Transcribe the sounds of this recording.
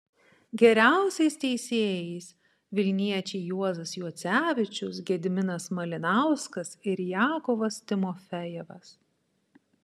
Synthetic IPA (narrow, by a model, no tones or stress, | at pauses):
ɡʲɛɾʲæˑʊsʲɛɪst̪ʲɛɪsʲeːjɛɪs | ʋʲɪlʲnʲiɛt͡ʃʲɛɪjuɔzɐsjuɔt̪sʲæːʋʲɪt͡ʃʲʊs̬ɡʲɛd̪ʲɪmʲɪnɐsmɐlʲɪnɑˑʊskɐsɪɾjæːkɔʋɐst̪ʲɪmɔfʲɛjɛʋɐs